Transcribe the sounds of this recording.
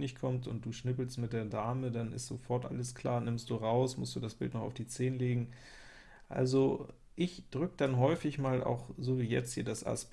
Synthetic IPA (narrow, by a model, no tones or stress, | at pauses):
nɪçtkʰɔmtʊ̰nt̚d̥uːʃnɪpl̩stmɪt̚d̥eːɐdaːmədanɪ̰stz̥ofɔɐtʔa̰ləskʰl̥a̰ːɐnɪmst̚d̥uːʁaʊsmʊstd̥uːdasb̥ɪ̰ltnɔχa̰ʊfd̥iːt͡seːnəleːɡŋ̩ | ʔa̰lzo | ʔɪçd̥ʁʏkəd̥anɦɔʏfɪçmaːlʔa̰ʊxzoːviːjɛ̰t͡sthiːɐdasʔa̰s